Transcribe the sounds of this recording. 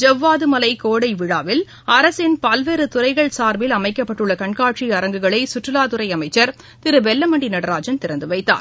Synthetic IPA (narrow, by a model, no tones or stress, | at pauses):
d͡ʒɐʋːaːðɯmɐlɐɪkoːɽɐɪʋɪɻaːʋɪl | ɐɾɐsɪnpɐlʋeːɾɯt̪ʊɾɐɪɣɐɭsaːɾbɪlɐmɐɪkːɐpːɐʈːɯɭːɐkɐɳkaːʈt͡ʃiɐɾɐŋɡɯɣɐɭɐɪsʊʈrɯlaːðʊɾɐɪɐmɐɪt͡ʃːɐɾ | t̪ɪɾɯbɛlːɐmɐɳɖinɐɽɐɾaːd͡ʒɐnt̪ɪɾɐnd̪ɯʋɐɪt̪ːa̰ːɾ